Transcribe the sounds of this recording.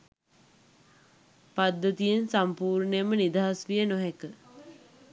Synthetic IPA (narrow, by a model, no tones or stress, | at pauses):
pad̪ːət̪ijensampuːɾɳəjəmənid̪aɦasʋijənoɦekə